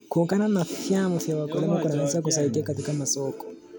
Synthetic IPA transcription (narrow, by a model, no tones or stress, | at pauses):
kuŋkananafjamɔfijawakɔlɛmɔkunanɛsak̬us̬aikiakat̪ikamasɔkɔ̥